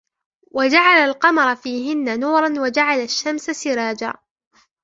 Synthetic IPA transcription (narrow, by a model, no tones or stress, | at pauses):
wad͡ʒaʕalalqɑmɑɾˤɑfiːɦɪnːanuːɾˤɑnwad͡ʒaʕalaʃːamsasɪɾɑːd͡ʒa̰ː